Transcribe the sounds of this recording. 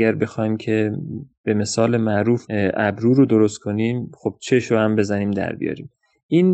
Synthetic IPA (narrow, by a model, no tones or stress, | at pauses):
æɾbe̞xɒːjimcʰe̞b̥e̞me̞sɒːle̞mæʔɾuːfʔæbɾuːɾod̪oɾo̞st̪kʰo̞niːmxo̞b̥̚t͡ʃʰe̞ʃɾohæmbe̞zæniːmd̪æ̰ɾbḭjɒ̰ːɾḭːm | iːn